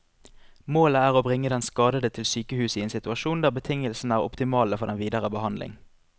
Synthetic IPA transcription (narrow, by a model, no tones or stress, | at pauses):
moːləæːʁoːbʁɪŋːəd̪ɛnskɑːd̪əd̪ət̪ʰɪlsyːkəhʉːsiːeːnsɪt̪ʉɑʃuːnd̪æːʁbət̪ʰɪŋəlsn̩æːʁʊ̰pt̪ɪmɑːləfɔʁd̪ɛnʋiːd̪əʁəbəhɑnd̪lɪ̰ŋ